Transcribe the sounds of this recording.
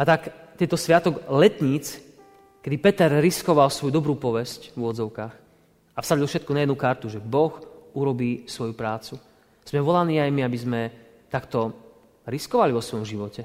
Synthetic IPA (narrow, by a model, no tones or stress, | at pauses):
at̪ak | t̪ɛnt̪ɔsʋɪat̪ɔɡlɛt̪ɲiːt͡s | kɛd̪ipɛt̪ɛɾɾiskɔʋalsʋɔjud̪ɔbɾuːpɔʋɛscvuɔzɔʊkaːx | afsadilˠfʃɛt̪kunajɛd̪nukaɾt̪uʒɛbɔxuɾɔbiːsʋɔjupɾaːt͡su | z̥mɛʋɔlaniːajmiabizmɛ | t̪akt̪ɔ | ɾiskɔʋaliʋɔsʋɔjɔmʒiʋɔcɛ